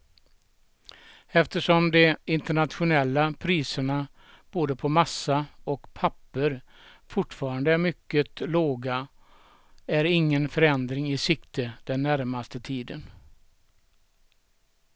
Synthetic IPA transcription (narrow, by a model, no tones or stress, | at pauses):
ɛft̪əʂɔmd̪ɛɪnt̪əɳat̪ɧʊnɛlːapʰɾiːsəɳa | b̥oːd̪əpʰɔmasːaɔkpʰapːəɾ | fʊʈːfɑːɾand̪əæɾmʏkːət̪loːɡa | æɾɪŋːənfœɾɛnd̪ɾɪŋɪsʏkt̪ʰəd̪̥ɛnːæɾmast̪ət̪ʰiːd̪ən